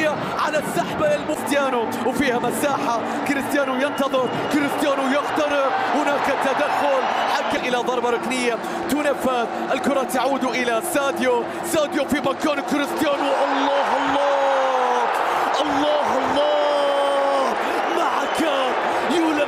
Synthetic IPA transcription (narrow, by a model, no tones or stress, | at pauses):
a | ʕa̰lasːaħbaɪlmʊst̪jaːnu | wfiːhamasaːħa | kɪɾɪst̪jaːnujɪnt̪ɑðˤɨɾ | kɪɾɪst̪jaːnujʊxt̪ɑɾɪbhʊnaːkat̪ːad̪axːʊlħakːaʔɪlaðˤɑɾˤbɑɾˤɑknɪjːa | t̪uːnafaːt̪ʔɪlkʊɾˤɑt̪aʕuːd̪uʔɪlasaːd̪jo | saːd̪jofibakːaːnkʊɾɪst̪jaːnuʔɑlˤːɑːɦɑlˤːɑː | ʔɑlˤːɑːɦɑlˤːɑː | maʕaka | juːla